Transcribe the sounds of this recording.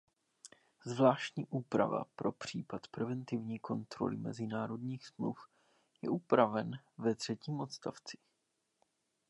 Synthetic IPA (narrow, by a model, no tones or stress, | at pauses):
zvlaːʃcɲiːʔuːpɾa̰va̰pɾo̞pr̝̥iːpat̪pɾɛvɛnt̪ɪvɲiːko̞nt̪ɾo̞̰lɪmɛ̰zɪnaːɾo̞dɲiːxsmluf | jɛ̰ʔupɾavɛnvɛt̪r̝̥ɛciːmʔo̞t̪st̪aft͡sɪ̥